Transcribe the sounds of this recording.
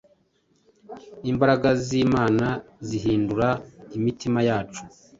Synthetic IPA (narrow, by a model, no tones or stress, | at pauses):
imbaɾaɡaziːmaːnaziɦiːnduɾaimitimajaːt͡ʃu